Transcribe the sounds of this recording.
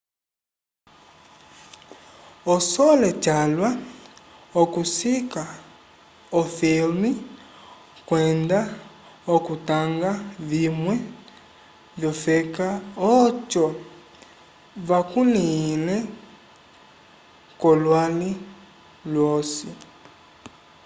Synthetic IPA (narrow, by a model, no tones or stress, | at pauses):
ɔsɔlɛt͡ʃalwa | okusika | ɔfilmi | kwɛnda | okutaŋɡavimwɛ | vjɔfɛkaɔt͡ʃɔ | vakunilɛ | kɔlwali | lwɔsi